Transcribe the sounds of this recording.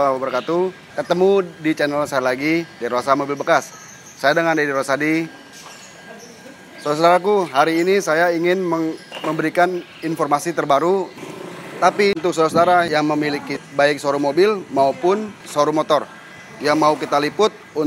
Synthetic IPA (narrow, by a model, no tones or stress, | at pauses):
abərkat̪u | kət̪əmudit͡ʃɛnəlsajalaɡidiɾoasamobɪlbəkasː | ajadəŋandidiɾoasadi | soɾas̬odaɾakuɦaɾiːnisajaiŋɪnməŋməmbəɾikan | infɔrmasit̪ərbaɾu | t̪apint̪̬ʊk̚soɾasodaɾajaŋməmilikibaɪk̚soɾumobɪlmaupʊnsoɾumot̪ɔr | jaŋmaukit̪alipʊt̪̚u